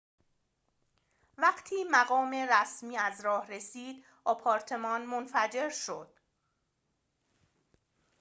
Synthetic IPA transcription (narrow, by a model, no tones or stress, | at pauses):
væɢt̪ʰiːmæɣɒːme̞ɾæsmiːæzɾɒːhɾe̞siːd̪̥ | ɒpʰɒːɾt̪ʰe̞mɒːnmonfæd͡ʒe̞ɾʃod̪̥